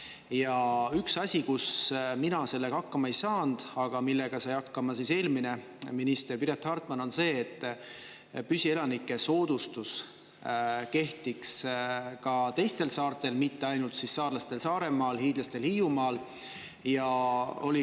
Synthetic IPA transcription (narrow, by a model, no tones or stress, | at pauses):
jɑyksɑsʲikusminɑse̞lːe̞ɡ̥ɑɑkːɑmɑejsɑːnd̪̥ɑɡ̥ɑmilːe̞ɡ̥ɑsɑjɑkːɑmɑsise̞ːlmine̞ | minist̪e̞rpiɾet̪ːhɑrt̪mɑno̞nse̞ːt̪ˑː | pysʲie̞lɑnikːˑe̞so̞ːd̪̥ust̪us | ke̞ht̪ikskɑt̪e̞jst̪e̞lsɑːrt̪ˑe̞lmit̪ːe̞ɑjnult̪sisːɑːrlɑst̪e̞lsɑːɾe̞mɑːlɦiːd̪lɑst̪e̞lhiːjumɑːl | jɑo̞̰li